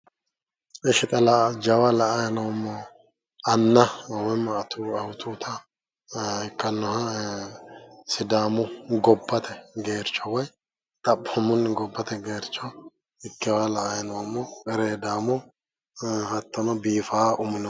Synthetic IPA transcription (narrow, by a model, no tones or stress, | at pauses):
ʔɛʃɪt̪ʼɐlad͡ʒɐwɐlɐʔɐjɐnɐwɐmːɔ | ɐnːɐwɛmːɐt̪uɐwʊt̪uːt̪ʰɐ | ɪkːɐnːɔhɐ | sɪd̪aːmʊɡɔbːɐt̪ʰɛɡeːɾt͡ʃːɔwɐj | t̪ʼɐpːɔmʊnːɡɔbːɐt̪ɛɡeːɾt͡ʃːɔ | ɪkːɛwalɐʔɐjɐnɐwɐmːɔkʼɛɾeːd̪aːmɔ | hɐt̪ːɔnɔbiːfaːʔʊmɪnɔ